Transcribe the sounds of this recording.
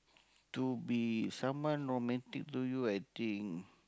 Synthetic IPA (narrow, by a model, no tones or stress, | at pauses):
t̪ubisãmwɔ̃nɹomɛ̃nt̪ik̚t̪ujuajt̪ĩŋ